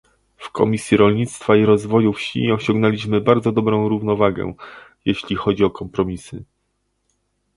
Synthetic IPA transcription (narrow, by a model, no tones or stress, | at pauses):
fkʰɔ̰mʲisʲjiɾɔlɲit̪st̪faiɾɔzvɔjufɕḭɔɕɔ̃ŋɡnɛlʲiɕmɘbaɾd̪zɔd̪ɔbɾɔ̃w̃ɾuvn̪ɔvaɡɛ̰jeɕlʲixɔd͡ʑiɔkɔmpɾɔmʲisɘ